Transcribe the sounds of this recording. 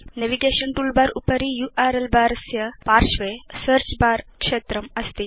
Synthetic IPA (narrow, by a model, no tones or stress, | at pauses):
neʋiɡeɕənʈulbaɾupəɾijuʔaɾelbʱaɾsjəpaɾʂʋesəɾt͡ɕbaɾkʂet̪ɾəməst̪i